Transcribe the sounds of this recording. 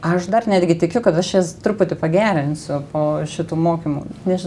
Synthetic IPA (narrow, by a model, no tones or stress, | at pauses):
ɐʃd̪ɐrnʲæːd̪ʲɡʲɪt̪ʲɪkʲʊkɐt̪ɐʃjiɛst̪ɾʊpʊt̪ʲɪpɐɡʲæːɾʲɪnʲsʲʊpoːʃʲɪt̪uːmoːkʲimṵnʲɛʒʲɪ